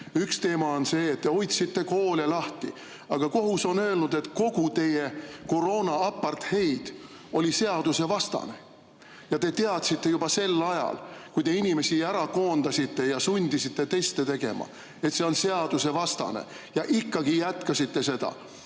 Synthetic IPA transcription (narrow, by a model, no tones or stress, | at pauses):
ykst̪e̞ːmɑo̞nse̞ːt̪ːeo̞jt̪sit̪ːe̞ko̞ːlelɑht̪ḭ | ɑɡ̥ɑko̞ɦuso̞nø̞ːlnud̪̥e̞t̪ko̞ɡ̥ut̪e̞jeko̞ɾo̞ːnɑɑpːˑɑrt̪he̞jd̪̥ | o̞lʲise̞ɑd̪̥use̞vɑst̪ɑ̰ne̞̰ | jɑt̪e̞t̪e̞ɑt̪sit̪ːe̞jub̥ɑse̞lːɑjɑ̰lkujt̪e̞inʲime̞siæɾɑko̞ːnd̪̥ɑsʲit̪ːe̞jɑsunʲd̪isit̪ːe̞t̪e̞st̪et̪e̞ɡ̥e̞̰mɑ̰ | e̞t̪se̞o̞nse̞ɑd̪use̞vɑst̪ɑ̰nḛ | jɑʔikˑːɑɡ̥ijæt̪kɑsʲit̪ːe̞se̞d̪̥ɑ̰